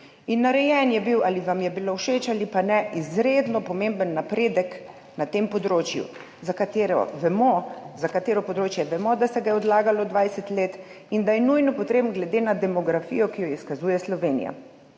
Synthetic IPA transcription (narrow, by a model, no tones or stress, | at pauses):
inːaɾɛjɛnjɛbiwaliʋamjɛbilowʃeːt͡ʃalipanɛʔizɾeːd̪nɔpɔmembənːapɾeːd̪ək | nat̪empɔd̪ɾoːt͡ʃjṵ | zakat̪eɾɔ̰ʋɛmɔzakat̪eːɾɔpɔd̪ɾoːt͡ʃjɛʋɛmɔd̪asɛɡajɛɔd̪laːɡalɔd̪ʋajsɛt̪leːt̪ | ind̪ajɛnujnɔpɔt̪ɾeːbnɡlɛd̪eːnad̪ɛmɔɡɾafḭjɔkijɔiskazuːjɛslɔʋeːnḭja̰